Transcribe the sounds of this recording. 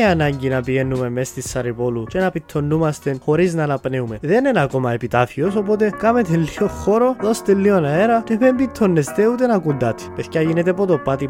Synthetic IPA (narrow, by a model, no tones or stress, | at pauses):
iɐnɐɲɟinɐpiʝenːumemːest̪isːɐɾipolut͡ʃenɐpit̪ʰːo̞nːumɐst̪enxo̞ɾiznɐːnɐpneumeðe̞nenako̞mɐepit̪afio̞so̞po̞t̪e̞kɐmet̪elːio̞xo̞ɾo̞ðo̞st̪elːio̞naeɾɐtevembit̪ʰːonːest̪eut̪enɐkund̪ɐt̪ʰe̥pe̞θçɐʝinet̪epot̪opːat̪i